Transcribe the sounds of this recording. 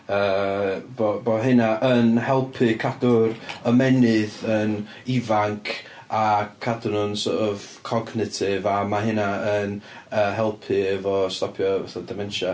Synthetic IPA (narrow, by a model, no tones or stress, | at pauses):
ə | boboɦɪnaʔənhɛlˠpʰɨkʰadʊrəmɛnɪðən | ɪvaŋkʰ | akʰadnʊnsɔvkʰɔɡnɪtʰɪvamaɦɪnaənəɦɛlˠpʰɨɛvɔstɔpʰjɔɛθɔdɪmɛnʃa